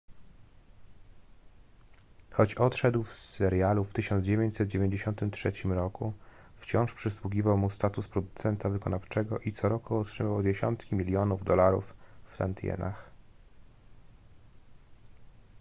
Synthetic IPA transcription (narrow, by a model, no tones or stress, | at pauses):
xɔt͡ɕɔt̪ʂɛd̪wfsɛɾjaluft̪ɘɕɔnd̪zd͡ʑevʲjeɲt͡ɕsɛd̪̚d͡ʑevʲjeɲd͡ʑeɕɔnt̪ɘmtʂɛt͡ɕimɾɔku | ft͡ɕɔ̃w̃ʂpʂɘswuɡʲivawmust̪at̪uspɾɔd̪ut̪sɛnt̪avɘkɔnaft͡ʂɛɡɔʔit̪sɔɾɔkuɔtʂɘmawd͡ʑeɕɔ̰nt̪kʲimʲilʲjɔnuvd̪ɔlaɾṵfːt̪ant̪jɛ̰na̰x